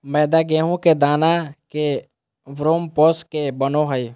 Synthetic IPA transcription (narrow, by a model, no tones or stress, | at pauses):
mɛːd̪aɡeːɦõked̪aːnake | ʋɾoːmpoːskebənoɦəj